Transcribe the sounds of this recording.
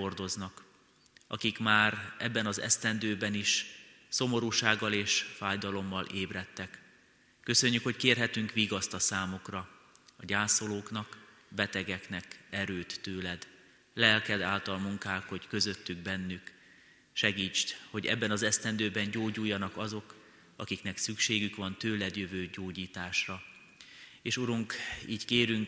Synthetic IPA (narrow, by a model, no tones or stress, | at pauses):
ord̪o̞znɒk | ɒ̰kikmaːɾɛbːɛnɒzɛ̰st̪ɛnd̪øːbɛniʃso̞mo̞ɾuːʃaːɡːɒleːʃfaːjd̪ɒlo̞mːɒlʔeːbɾɛt̪ːɛkː | ø̞sø̞ɲːykho̞ckeːrɦɛt̪yŋkʋiːɡɒst̪ɒsaːmukrɒ | ɒɟaːso̞loːkn̪ɒk | bɛt̪ɛɡɛknɛkɛɾøːt̪ːøːlɛd̪ | lɛlkɛd̪aːlt̪ɒlmuŋkaːkho̞ckø̞zø̞t̪ːyɡ̚bɛnːyk | ʃɛɡiːt͡ʃt̪ho̞ɟɛ̰bːɛnɒzɛst̪ɛnd̪øːbɛɲɟoːɟujːɒnɒkɒzo̞k | ɒkiknɛksykʃeːɡykʋɒnt̪øːlɛd̪jøvøːɟoːɟiːt̪aːʃrɒ | eːʃuɾuŋkiːckeːɾyŋk